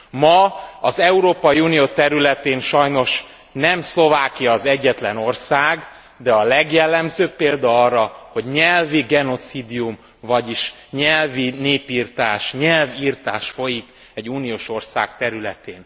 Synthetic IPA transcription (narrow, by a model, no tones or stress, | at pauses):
mɒɒzɛuɾoːpɒjiuːnijoːt̪ɛɾylɛt̪eːnʃɒjno̞ʃ | nɛmslo̞vaːkijɒːzɛɟːɛt̪lɛno̞rsaːɡ | d̪ɛɒlɛɡjɛlːɛmzøːpːeːld̪ɒɒrːɒho̞ɟɲɛlviɡɛno̞t̪siːd̪ijum | vɒɟiʃɲɛlvineːpiːrt̪aːʃɲɛlviːrt̪aːʃfo̞jik | ɛɟːuːnijoːʃo̞rsa̰ːkt̪ɛɾylɛt̪eːn